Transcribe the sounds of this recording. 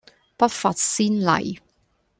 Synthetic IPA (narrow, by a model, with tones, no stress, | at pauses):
pɐ˥t̚faː˧t̚siː˥nlɐ̰˨˩j